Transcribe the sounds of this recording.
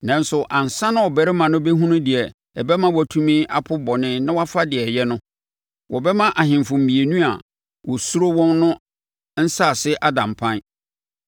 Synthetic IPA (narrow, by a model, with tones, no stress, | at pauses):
nã˨n˦sʊ˨ʔã˨n̩˨sã˦nʊ̃˦wɔ˨bɛ˨ɾɪ˦mã˨nʊ̃˦bɛ˦ɦũ˦nũ˦dɪ˨ɛ˨ | ɛ˨bɛ˦mã˦wɔ˨tʰũ˦mĩ˦ʔa̰˨pʰʊ˦bɔ˨nɪ̃˦nã˦wa˦fa˦dɪ˨ɛ˨jɛ˦nʊ̃˦ | wʔɔ˨bɛ˦mã˦ʔa˨ɦɪ̃˨mfʊ̃˨m̩˨bi˨e˨nũ˦a˨ | wɔ˨su˦ɾo˦wɔ̃˦nːʊ̃˦ | n̩˦sa˦˨sɪ˦ʔa˦dã˨m˨pʰã˦n˦